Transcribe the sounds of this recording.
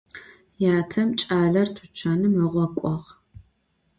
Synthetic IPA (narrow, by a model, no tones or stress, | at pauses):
jaːtʰɐmt͡ʃʼaːɮɐrtʰʊt͡ʃʰaːnɨmɨʁʷɔkʷʼɔʁ